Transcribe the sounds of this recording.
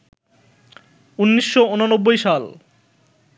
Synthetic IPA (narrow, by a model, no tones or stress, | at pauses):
unːiʃːoononobːojʃal